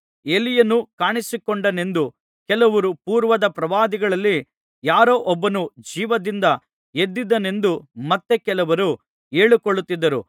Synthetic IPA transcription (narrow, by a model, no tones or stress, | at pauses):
elijɐnːukaːɳisikɔɳɖɐne̞nd̪u | kɛlɐʋɐɾupuːɾʋɐd̪ɐpɾɐʋaːd̪iɡɐɭɐlːi | jaːɾoːʔɔbːɐnud͡ʒiːʋɐd̪ind̪ɐ | ed̪ːid̪ɐne̞nd̪umɐt̪ːe̞kɛlɐʋɐɾu | eːɭukoɭːut̪ːid̪ːɐɾṵ